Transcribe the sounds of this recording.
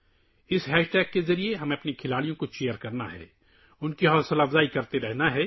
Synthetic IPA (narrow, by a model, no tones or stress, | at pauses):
ɪsɦɛːʃʈɛːɡːezɐɾieɦɐmẽɐpnikʰɪlaːɽijõkot͡ʃeːjəɾkɐɾna̰ɦɛ̰ː | ʊnkiɦɔːsɐlaːfzaːikɐɾt̪eɾɛɦnaɦɛː